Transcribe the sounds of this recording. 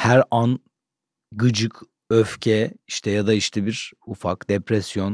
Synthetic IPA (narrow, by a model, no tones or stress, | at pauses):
hæɾan | ɡɯd͡ʒɯkʰ | øfcʰɛiʃt̪ʰɛjad̪aiʃt̪ʰɛbiɾufakd̪epɾɛsjo̞n